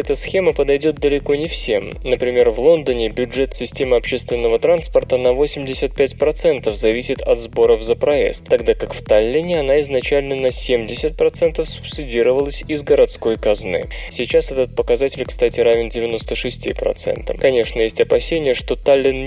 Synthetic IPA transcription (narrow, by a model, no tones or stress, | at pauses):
ɛt̪əsxʲe̞məpəd̪ɐjdʲo̞t̪̚d̪əlʲɪko̞nʲɪfsʲe̞m | nəpɾʲɪmʲe̞rvlˠo̞nd̪ənʲɪbʲʊʐɛt̪sʲɪsʲtʲe̞məɐpɕe̞st̪vʲɪnːəvət̪ɾanspərt̪ənɐvo̞sʲɪmdʲɪsʲət̪̚pʲætʲpɾɐt̪sɛnt̪əfzɐvʲisʲɪt̪ɐt̪zbo̞ɾəvzəpɾɐḛst̪ːɐɡd̪akakft̪alʲːɪnʲɪɐnaɪznɐt͡ɕælʲnənɐsʲemdʲɪsʲɪt̪̚pɾɐt̪sɛnt̪əfsʊ̥psʲɪdʲiɾəvəlˠəsʲɪzɡəɾɐt̪sko̞jkɐznɨ̰ | sʲɪt͡ɕasɛt̪ət̪̚pəkɐzatʲɪlʲkst̪atʲɪɾavʲɪndʲɪvʲɪno̞st̪əʂɨsʲtʲḭpɾɐ̰t̪sɛ̰nt̪ə̰kɐnʲe̞ʂnəjesʲtʲɐpɐsʲenʲɪjəʂt̪o̞t̪alʲːɪn